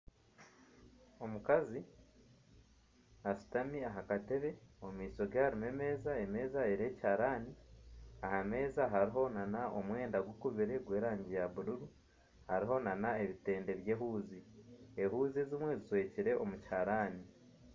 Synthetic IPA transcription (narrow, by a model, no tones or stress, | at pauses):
o̞mukazi | asu̥tamiaɦakate̞βe̞omiːso̞ɡehaɾime̞me̞ːzae̞me̞ːzaeɾe̞ːchaɾaːniaɦame̞ːzaɦaɾiɦo̞nanaʔo̞̰mwe̞ːndaɡwokuβiɾe̞ɡwe̞ːɾaːɲɟijaβuɾuɾu | haɾiɦo̞nanae̞βite̞ːnde̞βje̞ːɦuːzieɦuːzizimwe̞zizwe̞ːciɾe̞ʔomuchaɾaːni